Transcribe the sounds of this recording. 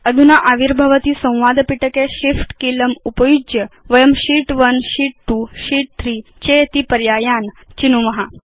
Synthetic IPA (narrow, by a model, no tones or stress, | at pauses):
əd̪ʱunaʔaʋiɾbʱəʋət̪iːsɐ̃w̃ʋad̪piʈəkeɕifʈkiləmupəjud͡ʑjəʋəjəmɕiʈʋənɕiːʈ̚ʈuɕiːʈ̚t̪ʰɾiːt͡ɕejt̪ipəɾjaːjan | t͡ɕinumɐɦa